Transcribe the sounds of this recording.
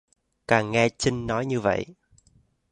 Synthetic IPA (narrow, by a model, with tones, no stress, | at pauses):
kaː˨˩ŋŋɛ˧t͡ɕï˧ŋnɔ˨˦jɲɨ˧və̰˧˨jʔ